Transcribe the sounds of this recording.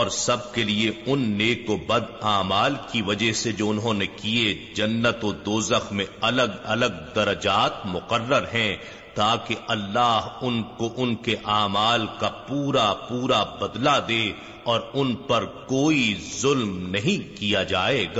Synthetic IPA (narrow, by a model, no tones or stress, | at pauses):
ɔːɾsɐb̚kelieʊnːeːkobɐd̪aːmaːlkiʋɐd͡ʒɛɦsed͡ʒoːʊnɦõːnekie | d͡ʒɐnːət̪od̪oːzəxmẽɐləɡɐləɡ̚d̪ɐɾɐd͡ʒaːt̪mʊqərːəɾɦɛ̃ | t̪aːkeʔɐlːaːɦʊnkoʔʊnkeʔaːmaːlkapuːɾapuːɾabɐd̪lad̪eː | ɔːɾʊnpɐɾkoːizʊlmnɐɦĩkijad͡ʒaːeːɡaː